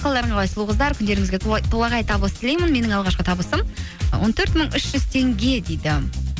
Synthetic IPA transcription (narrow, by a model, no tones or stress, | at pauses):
qɑlˠd̪ɑɾəɴʁɑqʰɑjsəlˠuʁəzd̪ɑɾkʲʰʏnd̪e̞ɾɪŋɪzɡʲet̪ʰolˠɑʁɑjt̪ʰɑbəlˠsə̥t̪ʰɪle̞jmɪnme̞nɪŋɑlˠʁɑʃqət̪ʰɑbəsəm | wo̞̰nt̪ʰɵɾt̪məɴʏʃʒ̥ʏz̥t̪ʰe̞ŋɡʲe̞d̪ejd̪ɪ